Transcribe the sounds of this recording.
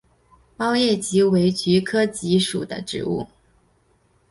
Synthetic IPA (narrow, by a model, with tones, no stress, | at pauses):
pɑ˥ʊjɛ˥˩t͡ɕi˧˥we˧˥ɪt͡ɕy˧˥kʰɤ˥t͡ɕi˧˥ʂṵ˨˩d̪ə̰˦ʈ͡ʂɻ̩̰˧˥ṵ˥˩